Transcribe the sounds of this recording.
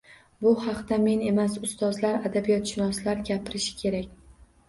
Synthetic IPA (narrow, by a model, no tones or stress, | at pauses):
bʊhɑqt̪ame̞ne̞masʊst̪ɒzlaɾad̪abijɒt̪ʃɪnɒslaɾɡʲapʰɪɾɪʃɪ̥kʲʰe̞ɾakʲ